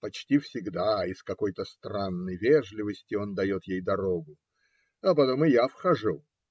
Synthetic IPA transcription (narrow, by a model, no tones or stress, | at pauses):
pɐt͡ɕtʲifsʲɪɡd̪aɪskɐko̞jt̪əst̪ranːəjvʲeʐlʲɪvəsʲtʲɪo̞nd̪ɐjo̞t̪jejd̪ɐɾo̞ɡʊ | ɐpɐt̪o̞mɨjafxɐʐu